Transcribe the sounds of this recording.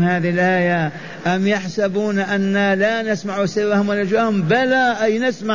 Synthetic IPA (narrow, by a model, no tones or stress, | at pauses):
haːðɪhɪlʔaːja | ʔamjaħsabuːnaʔanːalanɪsmaʕusɪrːahʊmwalɪd͡ʒwaːhʊmbalaʔajnɪsma